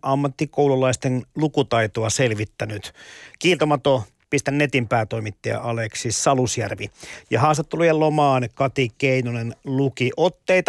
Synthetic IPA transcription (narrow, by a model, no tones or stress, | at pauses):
ʔɑmːɑt̪ːikoululːˑɑist̪enlukut̪ɑit̪oɑselʋit̪ːænyt̪kiːlt̪omɑt̪o | pist̪ænnet̪impæːt̪oimit̪ːeɑ̰ʔɑleksisɑlusjærʋijɑhɑːst̪et̪ːelujelomɑːnkɑt̪ikeinunenlukiʔot̪ːeit̪ɑ